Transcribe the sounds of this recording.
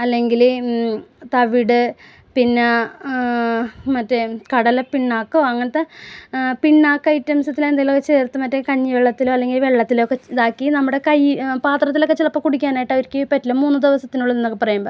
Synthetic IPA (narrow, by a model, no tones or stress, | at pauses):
ɐlːe̞ŋɡil | t̪ɐʋiɽɨ | pinːɐ | mɐtːɨkɐɽɐlɐpiɳːaːkːoːɐŋːɐnet̪ːe | piɳːaːkːɐjitːɐmsɐt̪ːilend̪ajilokːet͡ɕe̞ːrt̪ːɨmɐtːɨkɐɲːɨʋeɭːɐt̪ːiloːɐlːe̞ŋɡilʋe̞ɭːɐt̪ːilokːed̪aːkːinɐmːuɽe̞kɐjpaːt̪rɐt̪̬ːilo̞kːet͡ɕilɐpːokuɽikʲːaːnaːjʈːɐʋɐɾikʲːɨpɐtːilɐmuːnːɨd̪iʋɐsɐt̪ːinuɭːɐenːokːepɐrɐjuːmbɐ